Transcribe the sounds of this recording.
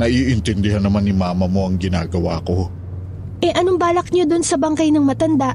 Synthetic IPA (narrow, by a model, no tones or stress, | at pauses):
nɐʔiːʔɪnt̪ɛnd̪ɪɦanːɐmanːɪmaːmɐmo̞ʔɐŋɡɪnaːɡɐwaːko̞ | ʔɛʔɐnoŋbaːlɐk̚ɲod̪onsɐbɐŋkɐjnɐŋmɐt̪ɐnd̪a